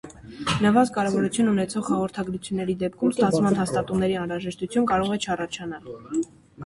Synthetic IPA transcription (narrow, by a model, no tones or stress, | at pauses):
nəvɑzkɑɾɛvɔɾut͡sʰjununɛt͡sʰɔʁhɑʁɔɾt̪ʰɑɡɾut͡sʰjunːɛɾid̪ɛp̚kʰumst̪ɑt͡sʰmɑnɦɑst̪ɑt̪umnɛɾiɑnɾɑʒɛʃt̪ut͡sʰjunkɑɾɔʁɛt͡ʃʰɑrɑt͡ʃʰɑnɑl